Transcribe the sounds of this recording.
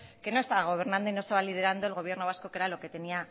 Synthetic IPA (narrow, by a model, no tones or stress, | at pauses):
ke̞no̞e̞st̪aβaɣ̞o̞β̞e̞ɾnãnd̪o̞inost̪aβalið̞e̞ɾand̪oelɣ̞o̞β̞je̞ɾno̞βasko̞ke̞ɾalo̞ke̞t̪e̞nia